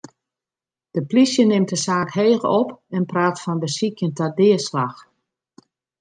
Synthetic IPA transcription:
d̥əplisjənɪmtəsaːkɦeːɣəɔpɛnpraːtfɔnbəsikjəntadɪəslax

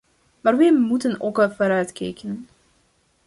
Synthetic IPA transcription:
maːrʋɛjmutənokəlˠvoːɾœɥtkḛːkənən

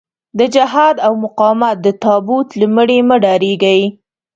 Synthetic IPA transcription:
d̪əd͡ʒaɦɑd̪awmʊqɑmat̪̚d̪ət̪ɑbut̪ləməɽeməɖɑɾeɡəj

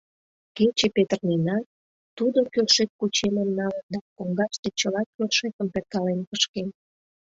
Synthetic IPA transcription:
ket͡ɕepet̪ərninɑ | t̪ud̪okølʃek̚kut͡ɕeməmnɑlənd̪ɑkoŋɡɑʃt̪et͡ɕəlɑkʲølʃekəmpet̪̚kɑlenpəʃken

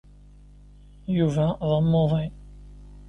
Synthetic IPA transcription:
juvæðˤəmːoðˤin

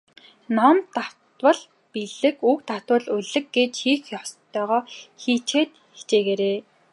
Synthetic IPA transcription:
nɔmt̪aw̥t̪wə̆ɮ | piɮɘ̆kukt̪aw̥t̪wə̆ɮuɮɘ̆k̚ɡet͡ɕxiːxjɔstt̪ʰœːʁɔːxiːt͡ɕeːt̪xe̥ɬt͡ɕeːɣeːɾeː

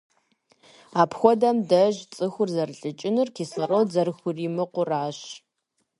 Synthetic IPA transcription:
aːpʰxʷɔdɐmdɐʒt͡sʼɨxʷʊrzɐrɬʼɨt͡ʃʼɪnɨrkʰiːsɐrowd͡zɐrxʷʊriːmɨqʷʊraːɕ

